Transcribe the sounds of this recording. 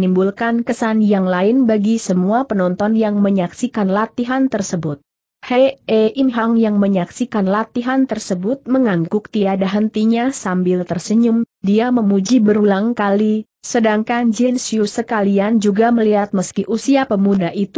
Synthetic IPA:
nimbulkankəsanjaŋlaɪnbaɡisəmuapənɔnt̪ɔnjaŋməɲaksikanlat̪iɦant̪ərsəbʊt̪̚ | hɛeʔimɦaŋjaŋməɲaksikanlat̪iɦant̪ərsəbʊt̪̚məŋaŋɡʊk̚t̪iadaɦənt̪iɲasambɪlt̪ərsəɲʊm | diaməmud͡ʒibəɾulaŋkali | sədaŋkand͡ʒɛnsjusəkaliand͡ʒuɡaməliɦat̪̚məskiʔusiapəmudaʔit̪

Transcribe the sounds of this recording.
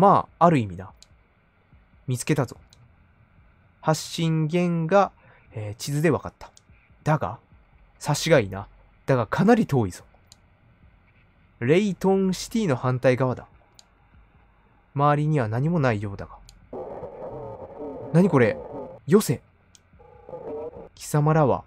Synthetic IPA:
maːɾɯ̟imʲina | mʲit͡sɨ̥ke̞t̪azo̞̰ | haɕːĩŋɡẽ̞ŋɡa | eːt͡ɕizɨd̪e̞βakat̪ːḁ | d̪̥aɡa̰ | saɕiɡaina | d̪̥aɡakʰanaɾʲit̪o̞ːiz̥o̥ | ɾe̞it̪õ̞ɰ̃ɕi̥t̪ʲiːno̞hãnt̪aiɡaβ̞ad̪a̰ | maːɾʲiɲ̟iβanaɲ̟imo̞naijo̞ːd̪aɡa | naɲ̟iko̞ɾe̞jo̞se̞ | kʲi̥samaɾaβa̰

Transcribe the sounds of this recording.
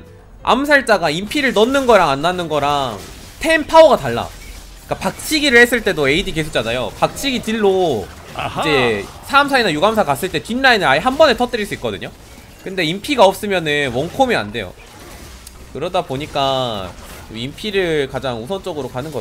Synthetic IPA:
a̰msʰaɭt͡ɕ͈aɡaimpʰiɾɯɭnʌnːɯnɡʌɾaŋanːanɯnɡʌɾaŋ | tʰe̞npʰaoɡataɭːa̰ | k͈apak̚t͡ɕʰiɡiɾɯɭhe̞s͈ɯɭt͈e̞doe̞idike̞sʰuk̚t͡ɕ͈anajo̰pak̚t͡ɕʰiɡitiɭːo | id͡ʑe̞sʰaːmsʰainajuɡamsʰakas͈ɯɭt͈e̞tinːainɯnaiɦambʌne̞tʰʌt͈ɯɾiɭs͈uit̚k͈ʌdɯɲo | kɯnde̞impʰiɡaʌp̚s͈ɯmjʌnɯnwʌŋkʰomia̰nde̞jo̰ | kɯɾʌdaboɲik͈a | t͡ɕomimpʰiɾɯɭkad͡ʑaŋusʰʌnt͡ɕ͈ʌɡɯɾokanɯnɡʌ

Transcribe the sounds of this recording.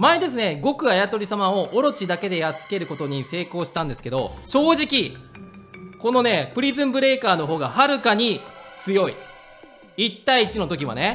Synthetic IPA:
maed̪e̞sɨne̞ɡo̞kɯ̟ajat̪o̞ɾʲisamao̞ʔoɾo̞t͡ɕid̪ake̞d̪e̞jat͡sɨ̥ke̞ɾɯ̟ko̞t̪o̞ɲ̟ise̞ːko̞ːɕi̥t̪ãnd̪e̞sɨ̥ke̞d̪o̞̰ɕo̞ːʑikʲi | ko̞no̞ne̞pɯ̟ɾʲizɨ̃mbɯ̟ɾe̞ːkaːno̞ɦo̞ːɡahaɾɯ̟kaɲ̟it͡sɨjo̞ḭ | it̪ːaiːt͡ɕino̞t̪o̞kʲiβa̰ne̞

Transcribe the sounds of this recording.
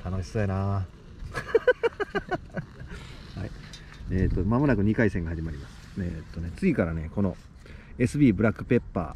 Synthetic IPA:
t̪anoɕi̥soina | hai | et̪ːo̞mamo̞nakɯ̟ɲ̟ikaisẽ̞ŋɡahaʑimaɾʲimasɨ̥eːt̪ːo̞ne̞t͡sɨɡʲikaɾane̞ko̞no̞̰ | e̞sɨbʲiːbɯɾakːɯ̟pe̞pːa̰ː

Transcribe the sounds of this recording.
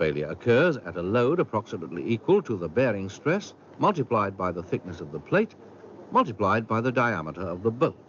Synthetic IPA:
feɪlˠjɨ̰ɨkʰɜ˞zɨ̰ɾəloʊɾəpʰɹ̥ɑksɨmətˡlḭʔikwəlˠtʰəðəbɛɹɪ̃ŋstɹ̥ɛs | mʌlˠtɨpʰl̥aɪd̚baɪðəθɪk̚nɨsʌvðəpʰl̥eɪt | mʌlˠtɨpl̥aɪd̚baɪðɨdaɪæ̰məɾə˞ʌvðəboʊt̚

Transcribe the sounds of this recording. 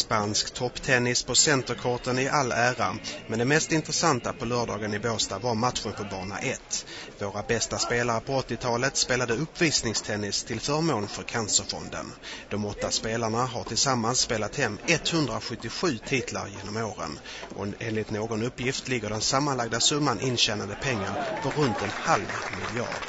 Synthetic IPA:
spanskt̪ʰɔpːt̪ʰɛnːɪspʰɔsɛnt̪əɾkʰɔʈənɪʔalːæːɾamɛnd̪ɛmɛst̪ɪnt̪ɾəsant̪apʰɔlœːɖɑːɡənɪboːst̪avaɾmat̪ɧəɾpʰɔbɑːɳa̰ʔɛt̪ːvoːɾabɛst̪aspeːlaɾəpʰɔɔt̪ːɪt̪ʰɑːlət̪speːlad̪əɵpːviːsnɪŋst̪ʰɛnːɪst̪ʰɪlfœːɾmoːnfœɾkʰansəɾfɔ̰nd̪ə̰nd̪̥ɔmɔt̪ːaspeːlaɳaɦaʈʰɪlsamːansːpeːlat̪hɛmːɛt̪hɵnd̪ɾaɧɵt̪ːɪɧʉ̟ːt̪ʰiːt̪ʰla̰ɾjeːnɔmoːɾə̰n | ʔɔ̰eːnlɪt̪noːɡɔnɵpːjɪft̪lɪɡːəɖɛnsamːanlaɡ̚d̪asɵmːanʔɪnɕɛnand̪əpʰɛŋːaɾfœɾɵnt̪ɛnhalvmɪljɑ̰ːɖ

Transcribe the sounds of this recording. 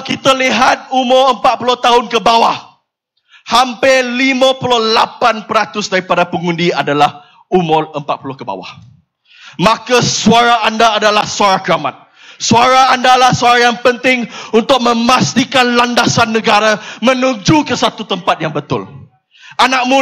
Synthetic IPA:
kit̪aliɦat̪̚umʊɾəmpat̪̚pulʊht̪aɦʊnkəbawah | hampɪlimãpulʊhlapanpəɾat̪ʊsdaɾipadapəŋundiadalah | umʊrəmpat̪̚pulʊhkəba̰wa̰h | makasuaɾaandaːdalahsuaɾakəɾamat̪̚ | suaɾaːndalahsuaɾajaŋpənt̪ɪŋunt̪ʊk̚mə̃mast̪ikanlandasanːəɡaɾamə̃nũd͡ʒukəsat̪ut̪əmpat̪̚jaŋbət̪ʊ̰l | ʔanak̚mu

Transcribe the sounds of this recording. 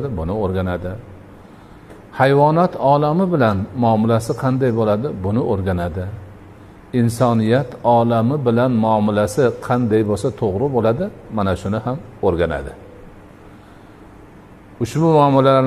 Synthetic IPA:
d̪ɪbʊnɪoɾɡʲanad̪ɪ | hajvɒnat̪ʰɒlamɪbɪlanmɒmɪlasɪqʰɑnd̪ajbolad̪ɪbʊnɪʔoɾɡʲanad̪ɪ | ɪnsɒnɪjat̪ʰɒlamɪbɪlanmʊɒmɪlasɪqʰɑnd̪ajbosat̪ʰoʁɾɪbolad̪ɪmanaʃʊnɪhamoɾɡʲana̰d̪ɪ | ʊʃbʊmʊɒmɪlaaɾ

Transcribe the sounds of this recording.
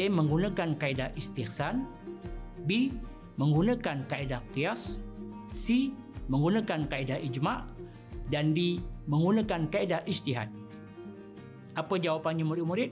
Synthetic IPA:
eməŋɡunakankaidaʔist̪ihsan | bi | məŋɡunakankaidakias | siməŋɡunãkankaidaʔid͡ʒmaʔ | dandiməŋɡunakankaidaʔist̪iɦa̰t̪̚ | ʔapəd͡ʒawapanɲamuɾitmuɾɪt̪̚

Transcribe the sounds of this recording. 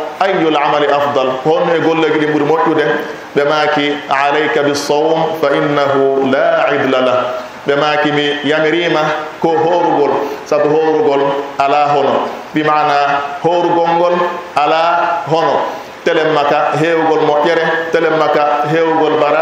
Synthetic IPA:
ʔajːulʕamalʔɑfd̪ˤɑlhɔnɛɡolːaɡiɗimɓuɾmoʔːudɛ | ɓɛmaːkiʕalajkabɪsːawmfaʔinːaɦulaʕɪd̪lalah | ɓɛmaːkimijamɾiːmakɔɦoːɾuɡɔlsabɦoːɾuɡɔlʔalaɦɔnɔnbimaʕnahoːɾuɡɔŋɡɔlʔalaɦɔnɔ | tɛlɛmːakaɦeːwuɡɔlmɔʔɛɾɛtɛlɛmːakaɦeːwuɡɔlbaɾa

